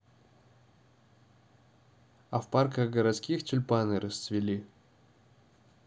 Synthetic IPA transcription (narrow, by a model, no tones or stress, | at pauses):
ɐfparkəɣɡəɾɐt̪skʲixtʲʊlʲpanɨɾəst̪svʲɪlʲi